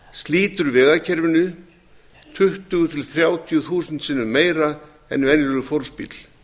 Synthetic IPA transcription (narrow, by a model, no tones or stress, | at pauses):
st̪liːt̪ʏɾvɛːɣacʰɛɾvʏnːʏ | t̪ʰʏht̪ʏɣʏt̪ʰɪlθɾjaːwt̪ʰjʏθuːsʏnt̪sɪnːʏmeːjɾa | ɛ̰nvɛnʏɾʏfolspḭt̪l̥